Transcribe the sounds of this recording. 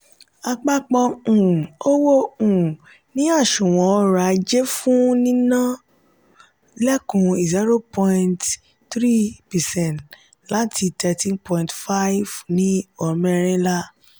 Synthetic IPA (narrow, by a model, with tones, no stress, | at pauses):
a˧k͡pa˧k͡pɔ˧ũ˨o˦wo˦ũ˨ | nĩ˨˦a˦˨ʃũ˨w̃ɔ̃˨ɔ˧ɾa˨˧d͡ʒe˦fũ˦nĩ˦nã˦ | lɛ˦kũ˧i˨zi˦ɾo˦pɔ̃˧nt | tɾi˦pɛ˨sɛ̃˦˨nt | la˦tʰi˧tʰɛ˧tĩ˦npɔ̃˧ĩntfa˦i˦vnĩ˨˦ɔ˨mɛ˦˧ɾ̃ĩ˦la˦